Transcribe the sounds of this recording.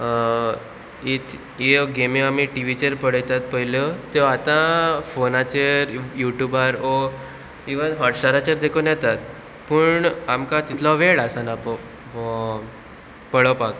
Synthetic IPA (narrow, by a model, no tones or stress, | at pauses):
it̪ʰ | eɡemeamiʈiʋit͡ɕeɾpəɽəjt̪at̪̚pəɦiljɔt̪eat̪ãfonat͡ɕeɾjuʈjubaɾo | iʋənɦɔʈsʈaɾat͡ɕəɾd̪ekʰonjɛt̪at̪̚ | pəɳamkat̪it̪ʰlɔʋeɭasanapɔ | pəɽəpak